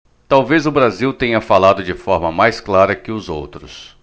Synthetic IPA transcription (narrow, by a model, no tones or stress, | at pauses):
t̪awvezʊbɾaziwt̪ẽɲɐfalad̪ʊd͡ʒɪfɔɾmɐmajsklaɾɐkɪʊzo̰wt̪ɾʊs